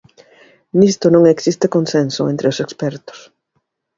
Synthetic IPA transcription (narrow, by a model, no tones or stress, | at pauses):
nist̪ʊnõŋeksist̪ekonsensʊḛ̃nt̪ɾeʊsekspɛɾt̪ʊ̥s